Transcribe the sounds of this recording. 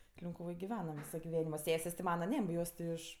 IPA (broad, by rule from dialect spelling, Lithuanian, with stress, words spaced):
lʲɪŋkʊˈʋoːj ɡʲɪˈʋʲæːnɐm ˈʋʲiːsoː ɡʲɪˈʋʲæːnʲɪmoː ˈsʲæːsʲeːsʲ tʲɪ ˈmɑːnɐ ˈnʲɛ ˈjoːs tʲɪ ˈɪʃ